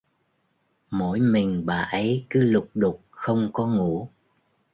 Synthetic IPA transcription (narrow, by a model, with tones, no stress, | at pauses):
mo̰˧˥jmï˨˩ŋ̟ɓaː˨˩ʔə˨˦jkɨ˨˦lʊ˨˩k͡p̚ɗʊ˨˩k͡p̚xə˧wŋ͡mkɔ˨˦ŋu˧˥